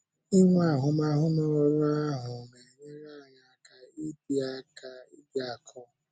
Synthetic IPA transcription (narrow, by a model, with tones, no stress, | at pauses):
i˦ŋʷa˦˨ɦʊ˨ma˦ɦʊ˦nɔ˦ɾɔ˦ɾa˦a˦ɦʊ˨ne˨ɲe˦ɾa˦˨ɲa˨a˨ka˨i˦bi˦a˦ka˦i˦da˨kʰɔ˦